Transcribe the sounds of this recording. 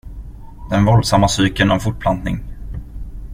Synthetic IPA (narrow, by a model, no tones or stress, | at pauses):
d̪̥ɛnvɔld̪samːasyːkənɔmfʊʈ̚ːpʰlant̪nɪŋ